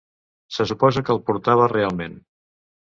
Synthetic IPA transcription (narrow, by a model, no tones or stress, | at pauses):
səsupɔzəkəːlˠpuɾt̪aβ̞ərealˠmen